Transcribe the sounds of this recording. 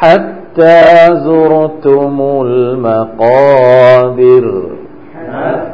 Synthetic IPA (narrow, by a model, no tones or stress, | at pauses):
ħat̪ːaːzʊɾt̪ʊmʊlmaqɑːd̪ɪɾ